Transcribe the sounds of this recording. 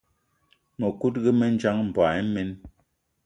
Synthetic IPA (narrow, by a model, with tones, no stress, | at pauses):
mə˨ku˦t̚ɣɛ˦mɛ˦n˦d͡ʒa˦ŋm̩˨ba˨ɛ˦me˦n